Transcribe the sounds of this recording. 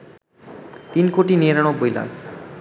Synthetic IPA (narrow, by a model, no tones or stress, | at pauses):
t̪inkoʈinieɾaɽ̃obːojla̰ɡ